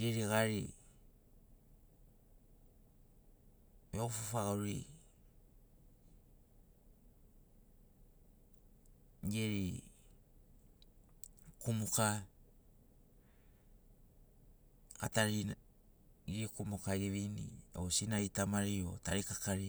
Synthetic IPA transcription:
jeɾiɣaɾḭ | meofufaɡaɾḭ | ɡeɾi | kumoka | kataɾi | iɾikumokaiɾeβinḭo̰sinaitamaɾio̰taɾikakaɾi

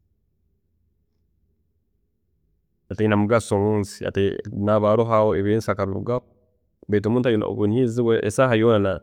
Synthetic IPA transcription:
ateinamuɡasomuːnsi̥a̰tenaβaɾoɦawoeβensakaβiβṵɡa | bet̬omuːntaj̰βunhiziɡweʔesahajonana

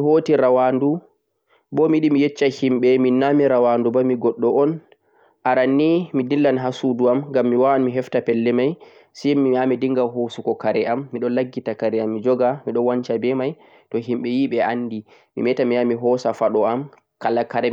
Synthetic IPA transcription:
mihoːtiɾawandu | bɔmiɗimijɛt͡ʃːahimɓɛminamiɾawandubamiɡɔɗːɔɔn | ʔaɾanːimidilːanɦasuduamɡamːiwaanmiɦɛftapɛlːɛmaj | simiamidiŋɡaɦosukɔkaɾɛamːiɗɔlaɡːitakaɾɛamːid͡ʒɔɡamiɗɔnwant͡ʃabɛmaj | tɔɦimɓɛjiɓɛʔanːdi | mḭmɛtamijamiɦɔsafaɗɔam | kalːakaɾɛ

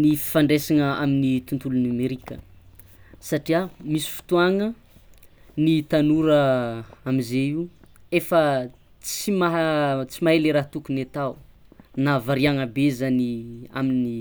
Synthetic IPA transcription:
nifi̥faɳɖ͡ʐesaŋəaminit̪unt̪ulunameɾikə̰ | saʈ͡ʂiamisi̥fi̥t̪uaŋə | nit̪anuɾəamizeiefə | t͡simaɦt͡simaɦeleɾaɦt̪ukunat̪awnavaɾiaŋəbezania̰mini

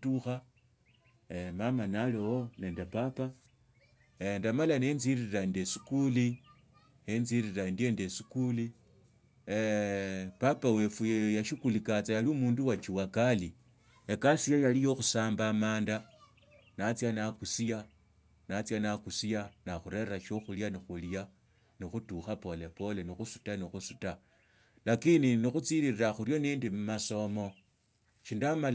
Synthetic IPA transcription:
tuxa | mamanalewone̞ːndepapa | endamalanenziɾiɾandesi̥kuli | enziɾiɾandiendesikuli | papawe̞fujejaʃikulikat͡sajaliumuːnduwat͡ʃiwakali | ekasijajalijo̞xusaːmbaːmaːnda | nat͡sjanakusija | nat͡sjanakusijanaxuɾe̞raʃo̞xuljanixulja | nixutuxapo̞le̞po̞lenixusu̥tanixusuta | lakininixut͡siɾiriraxuɾjo̞niːndimumaso̞mo̞ | ʃindamal

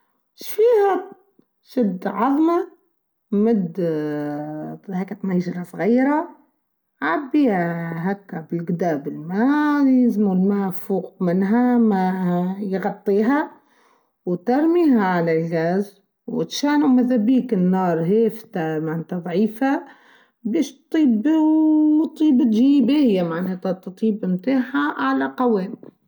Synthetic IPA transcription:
ʃfiːha | ʃɪd̪ːʕɑðˤma | mɪd̪ | haːkːat̪najʒɾˤɑsˤɣajːɾˤa | ʕabːiːɦakːabɪlɡd̪aːbɪlmajɪzmulmaːfuːqmɪnɦamajɣɑt̪ˤːiːɦa | wt̪ɑɾˤmiːɦaʕalalɣaz | wɪ̰t̪ʃaːnumaðabiːkɪnːɑːɾˤɦeːft̪amaʕnet̪aðˤʕiːfa | beːʃt̪t̪ˤiːb | t̪ˤːiːbt̪ʒiːbehɪjːamaʕneːt̪at̪t̪ˤiːbmt̪aːħaʕalaqɑweːn

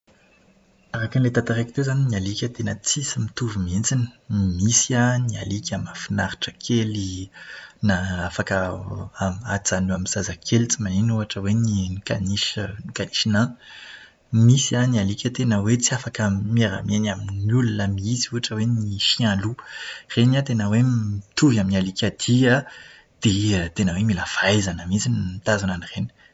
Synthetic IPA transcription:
aɾaknlet̪at̪aɾeki̥t̪ezaninialikʲət̪enət͡sisimit̪uvumient͡sinə̥misiania̰likʲamafinaɾi̥ʈ͡ʂəkʰeli | naafakəamat͡sanuamiz̥azakʰelit͡simaninuaʈ͡ʂəweniikaniʃnikaniʃina | misianialikʲət̪enəwet͡siafakəmieɾa̰menaminulunəmiiziuaʈ͡ʂəweniʃialurenat̪enəweit̪uvjaminialikʲad̪̥ia | d̪̥et̪enəwemilafajzanamizinit̪azananireni̥

